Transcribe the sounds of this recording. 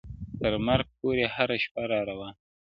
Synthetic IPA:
t̪əɾmaɾɡ̚poɾehaɾaʃpaɾɑɾawa

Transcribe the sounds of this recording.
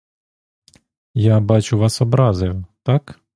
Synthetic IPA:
jabɑt͡ʃʊʋɑsɔbɾɑzɐjʊt̪ɑk

